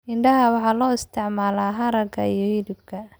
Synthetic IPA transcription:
ɪɳɖɐɦɐwɑħɑːlɔːɪst̪ʰɪʕmaːlaːɦɐɾɐkʰɐ̰ijɔhɪdɪb̚kʰɐ

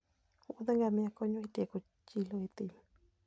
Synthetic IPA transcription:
uʔuðeŋɡamĩãkoɲũit̪ieku | t͡ʃiloit̪im

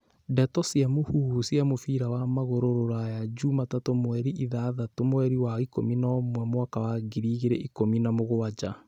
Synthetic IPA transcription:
dɛtɔsjamohuːusjamofiɾawamaɣoɾoɾoɾajad͡ʒumatatomwɛɾiʔiðaðatomwɛɾiwaiko̰minamwɛmoakawaɡiɾiːɣeɾɛʔikominamoɣowad͡ʒa

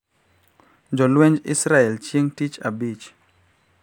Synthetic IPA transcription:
d͡ʒɔlweɲd͡ʒḭsɾaɛlt͡ʃjeŋtit͡ʃabit͡ʃ

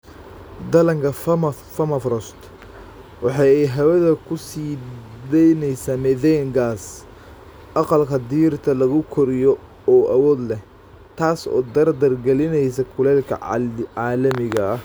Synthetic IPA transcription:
d̪ɐlɐŋkʰɐ | fɐmɐfrɔst̪ | wɑħɑjɛjɦɐwɛðɐkʰʊsiːd̪ɛjnɛjsaːmɛðɛːŋɡaːs | ʔɑqɑlkʰɐd̪iːrt̪ʰɐlɐɣʊkʰɔɾɪjɔ | ɔːʔɐwɔːd̪lɛh | t̪ʰaːsɔ̰ːd̪ɐrd̪ɐrɡɛlɪnɛjs̬ɐkʰʊlɛːlkʰɐ̰ʕʕɑːlɐmɪɣɐɐh

